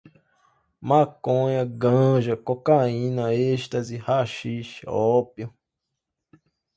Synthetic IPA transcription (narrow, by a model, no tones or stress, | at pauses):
mãkõjãɡãʒakokaĩnãeʃt̪azihaʃiʃɔpjo